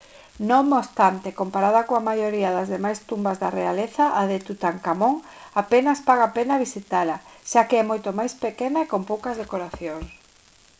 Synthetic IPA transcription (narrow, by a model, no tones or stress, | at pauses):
nõmːost̪ant̪ekompaɾaðɐkoamajoɾiaðɐzðemajst̪umbazðarealeθaʔaðet̪ut̪aŋkamoŋ | apenɐspaɣ̞apenaβisit̪alɐʃakeɛmojt̪omajspekenaekompowkɐzðekoɾaθjoŋs